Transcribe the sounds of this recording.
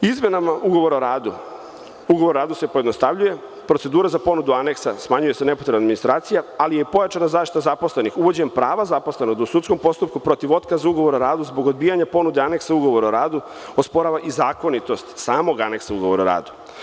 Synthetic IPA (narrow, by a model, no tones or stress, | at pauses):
izme̞namaʔuɡo̞ʋo̞ɾoɾaːd̪u | uɡoʋoɾoɾaːd̪use̞pojed̪no̞st̪aʋʎuje̞ | pɾose̞d̪uːɾazapo̞nud̪uane̞ksasmaɲuje̞se̞ne̞po̞t̪ɾebnad̪minist̪ɾaːt̪sijaalijepo̞jat͡ʃanazaːʃt̪i̥t̪azapo̞sle̞nixuʋo̞d͡ʑempɾaːʋazapo̞sleno̞ɡd̪ausut̪sko̞mpo̞st̪up̚kupɾo̞t̪iʋo̞t̪kazuuɡo̞ʋo̞ɾoɾaːd̪uzbo̞ɡo̞d̪̚biːjaɲapo̞nud̪eane̞ksauɡo̞ʋo̞ɾaoɾaːd̪u | ospo̞ɾaʋaʔizaːko̞nit̪o̞st̪saːmo̞ɡane̞ksauɡo̞ʋoɾaoɾa̰ːd̪u